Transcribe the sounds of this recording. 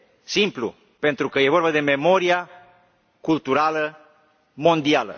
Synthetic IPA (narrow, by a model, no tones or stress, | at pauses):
simplṵ | pe̞nt̪ɾukəje̞vo̞rbad̪e̞memo̞ɾia | kult̪uɾalə | mo̞nd̪ialə̰